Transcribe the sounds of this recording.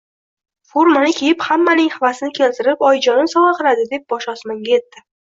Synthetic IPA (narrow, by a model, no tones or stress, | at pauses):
foɾmanɪkʲʰe̞jɪphamːanɪŋhavasɪnɪkʲʰe̞lt̪ʰɪɾɪpɒjd͡ʒɒnɪnsɒʁɑqɨɾad̪ɪd̪e̞p̚bɒʃɒsmaŋɡʲaje̞t̪ːɪ